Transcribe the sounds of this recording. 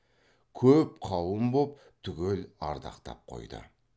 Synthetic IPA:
kʲʰɵp̚qʰɑwˠəmbop̚ | t̪ʰʏɡʲe̞lɑ̰ɾd̪ɑ̰qt̪ɑ̰p̚qʰo̞̰jd̪ə̰

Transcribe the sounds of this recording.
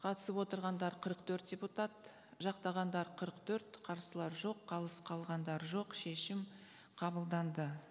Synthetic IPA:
qʰɑt̪əsəpwo̞t̪əɾʁɑnd̪ɑɾqʰəɾəq̚t̪ʰɵɾt̪̚dʲe̞put̪at̪ | ʒɑqt̪ɑʁɑnd̪ɑɾqʰəɾəqt̪ʰɵɾt̪qʰɑɾsəlˠɑɾʒo̞qʰːɑlˠəsqʰɑlˠʁɑnd̪ɑɾʒo̞qʃe̞ʃɪm | qʰɑbəlˠd̪ɑnd̪ə

